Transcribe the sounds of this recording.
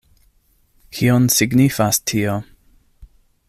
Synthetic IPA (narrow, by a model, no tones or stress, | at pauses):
hiɔnsɪɡnifastʰio